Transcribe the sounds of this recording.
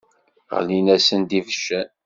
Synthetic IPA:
ʁə̰linæsənd̪ivəʃːæ

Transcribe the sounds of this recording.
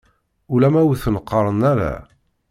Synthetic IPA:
ulæmæwθnəqːəɾˤənæɾæ̰

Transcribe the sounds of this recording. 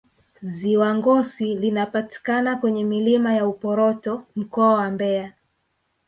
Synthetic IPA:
ziwaŋɡɔsilinapati̥kanakwɛɲɛmilimajaupɔɾɔtɔm̩kɔawambɛa

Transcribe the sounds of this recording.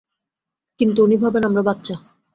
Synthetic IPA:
kint̪uunibʱabenamɾabat̪ːɕa

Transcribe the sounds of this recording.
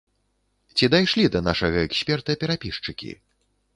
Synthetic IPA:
t͡sʲid̪ajʂlʲid̪ɐnaʂɐɣɐɛksʲpʲɛrt̪ɐpʲɛɾapʲiʂt͡ʂɨkʲḭ

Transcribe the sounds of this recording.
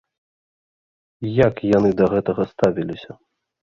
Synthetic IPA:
jakjanɨd̪ɐɣɛt̪ɐɣɐst̪avʲilʲisʲɐ

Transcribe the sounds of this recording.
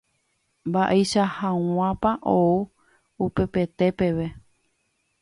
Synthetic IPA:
mbaʔejʃahãw̃ãpaʔou | upe̞pe̞t̪e̞pe̞ʋe̞

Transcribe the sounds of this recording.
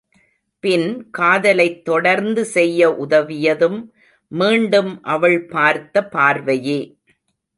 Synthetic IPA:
pɪnkaːðɐlɐɪt̪ːɔɽɐɾnd̪ɯsɛjːɐʔʊðɐʋɪjɐðɯmː | iːɳɖɯmʔɐʋɐɭpaːɾt̪ːɐpaːɾʋɐjeː

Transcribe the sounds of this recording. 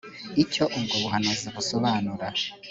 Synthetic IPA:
ico̞ʔumɡoβuɦanoziβusoβaːnuɾa

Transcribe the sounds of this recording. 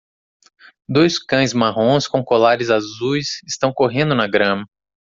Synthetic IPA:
d̪ojskɐ̃j̃zmaɦõskõw̃kolaɾɪzazujsɪst̪ɐ̃w̃koɦẽnd̪ʊnɐɡɾɐ̃mɐ

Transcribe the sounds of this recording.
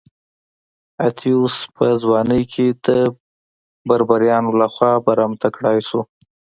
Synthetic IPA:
at̪ʰjuspʰəzwɑnəjkʰed̪ə | baɾbaɾjɑnolaxwɑbaɾamt̪akɽɑjsu

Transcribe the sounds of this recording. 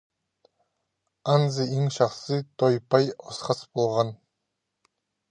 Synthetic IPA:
anzɨeŋʃɑχsɨt̪ʰojpɑjɔsχɑsbolˠʁɑn

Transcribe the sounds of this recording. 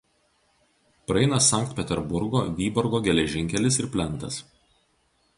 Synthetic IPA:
pɾɐɛɪnɐsɐˑŋk̚t̪ʲpʲɛt̪ʲɛɾbʊɾɡoːʋʲiːbɔɾɡoːɡʲɛlʲɛʒʲɪŋʲkʲɛlʲɪsɪɾpʲlʲɛnˑt̪ɐs

